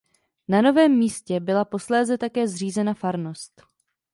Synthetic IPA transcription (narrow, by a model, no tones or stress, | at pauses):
nano̞vɛːmːiːscɛbɪlapo̞slɛːzɛt̪akɛːzr̝iːzɛnafaɾno̞st̪